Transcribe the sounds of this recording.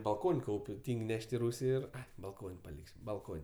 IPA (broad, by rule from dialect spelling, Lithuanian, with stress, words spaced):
bɐlˠˈkoːnʲ ˈkɐʊpʲ ˈtʲiːŋʲkʲ ˈnʲɛʃʲtʲ ɪ ˈruːsʲɪ ɪr bɐlˠˈkoːnʲ pɐˈlʲɪkʲsʲ bɐlˠˈkoːnʲ